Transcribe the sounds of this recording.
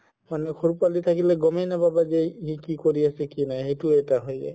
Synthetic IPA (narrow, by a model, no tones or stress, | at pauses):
manɛxʰoɹupalit̪ʰakilɛɡɔmɛnababazɛɦikikoɹiasɛkinajɦejtuɛtaɦojɛ̰